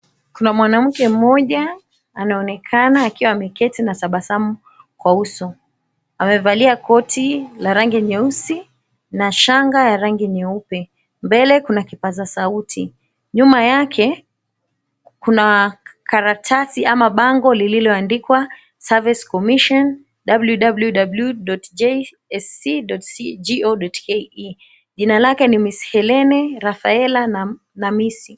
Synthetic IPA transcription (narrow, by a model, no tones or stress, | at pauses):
kunamwanam̩kɛm̩mɔʄaː | naɔnɛkʰanaːkiwaːmɛkɛtinasaɓasamu | kwausɔ | amɛvaliakɔtʰilaɾaŋɡiɲɛusi | naʃaŋɡajaɾaŋɡiɲɛupɛ | mbɛlɛkunakipazasautʰi | ɲumajakʰɛ | kunakaɾatʰasiamaɓaŋɡɔlililɔandikwa | saviskɔmiʃɔn | ɗabljuɗabljuɗabljuɗɔtd͡ʒɛ | ɛsiɗɔtsid͡ʒiɔɗɔtkɛi | ʄinalakɛnimisi̥hɛlɛnɛɾafaɛlan | namisi